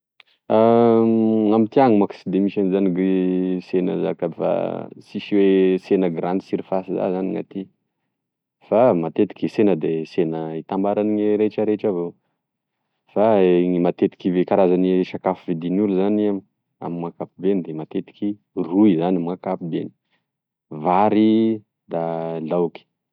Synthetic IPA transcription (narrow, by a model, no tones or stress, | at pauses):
a | amit̪iaŋimaki̥sid̪emiʃanizaniɡisenəza̰kafa̰siʃiwesenəɡɾand̪isiɾifasiza̰zaniŋa̰t̪i | famat̪et̪i̥kʲisenəd̪esenəit̪ambaɾaniŋeɾet͡ʃəɾet͡ʃavo | faŋimat̪et̪i̥kivekaɾazaniʃakafivid̪inuluzaniam | a̰mimakapibenid̪emat̪et̪i̥ki | ruizanimakapibeni̥ | vaɾi | d̪alawki̥